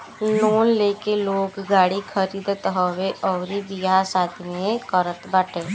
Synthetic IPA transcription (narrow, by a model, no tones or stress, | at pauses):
loːnleːkeloːkɡaːɽikʰəɾiːd̪t̪ɦɔʋeʔɔːɾibiasaːt̪ʰimẽkəɾət̪bəʈʰeː